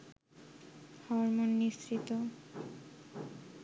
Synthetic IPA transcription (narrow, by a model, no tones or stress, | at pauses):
hɔɾmonːist̪ɾit̪o